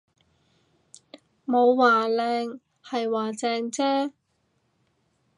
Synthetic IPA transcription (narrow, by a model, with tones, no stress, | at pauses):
mo˨˧wːaː˨˩lɛː˧ŋ | hɐ˨jwaː˨˩t͡sɛː˧ŋt͡sɛː˥